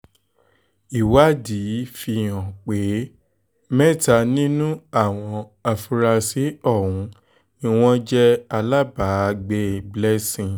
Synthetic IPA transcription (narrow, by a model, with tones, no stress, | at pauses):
i˨wa˦di˨˦fi˧˨j̃ã˨k͡pe˨˦ | mɛ̃˦˨ta˧nĩ˦nũ˦a˦˨w̃ɔ̃˧ | a˧fu˧ɾa˧si˨˦ɔ˦˨ɾũ˨˦ | nĩ˧w̃ɔ̃˦d͡ʒɛ˦a˧la˦ba˨˦ɡ͡be˦˨blɛ˦sĩ˧˨